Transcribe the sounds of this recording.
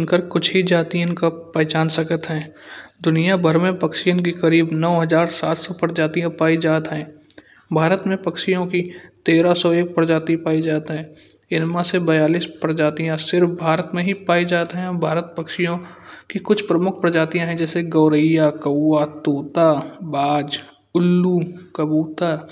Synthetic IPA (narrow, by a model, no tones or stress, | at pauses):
nkəɾkʊt͡ʃʰɦid͡ʒaːt̪ijɪ̃kapɛːt͡ʃaːnsɐkət̪ɦɛ̃ː | d̪ʊnijabʱəɾmẽpəkʃjə̃nk̬ikɐɾiːbnɔːɦəzaːɾsaːt̪sɔpəɾd͡ʒaːt̪ijãpaːid͡ʒaːt̪ɦɛ̃ː | bʱaːɾət̪mẽpɐkʃijõkit̪eːɾasɔeːk̚pəɾd͡ʒaːt̪ipaːid͡ʒaːt̪ɦɛ̃ː | ɪnmãsebɐjaːliːspɾd͡ʒaːt̪ijãsɪɾfbʱaːɾət̪mẽɦipaːid͡ʒaːt̪ɦɛ̃ɔbʱaːɾət̪̚pəkʃijõ | kikʊt͡ʃʰpɾəmʊkʰpɾəd͡ʒaːt̪ijãɦɛ̃d͡ʒɛːseɡəːɾəjakəwːat̪oːt̪abaːd͡ʒ | ʊlːukəbuːt̪əɾ